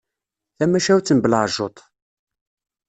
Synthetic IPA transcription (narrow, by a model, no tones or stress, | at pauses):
θæmːæʃæwt͡sːənbələʕʒot̪ˤ